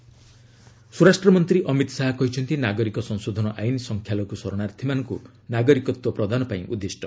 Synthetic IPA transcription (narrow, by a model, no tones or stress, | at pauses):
suɾasʈrɔmɔnt̪ɾiʔɔmit̪ɔ̥saɦakɔɦit͡ʃʰɔnt̪inaɡɔɾikɔsɔnsod̪ʱɔnɔʔajnisɔŋkʰjalɔkusɔɾɔɽaɾt̪ʰimanŋku | naɡɔɾikɔt̪wɔpɾɔd̪ʱanɔpaĩʔud̪ːisʈɔ̥